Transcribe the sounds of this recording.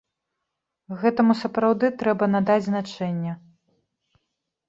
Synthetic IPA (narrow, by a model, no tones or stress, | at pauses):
ɣɛt̪ɐmusɐpɾawd̪ɨt̪ɾɛbɐnad̪ad͡zʲznat͡ʂɛnʲːɛ